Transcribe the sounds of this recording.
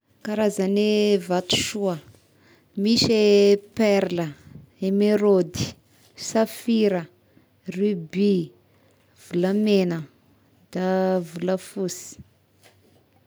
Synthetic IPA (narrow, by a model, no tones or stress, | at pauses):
kaɾazanevat̪u̥ʃuə | miʃepɛɾləemeɾod̪i̥ | safiɾə | rybi | v̥uləmenə | d̪̥avuləfusi̥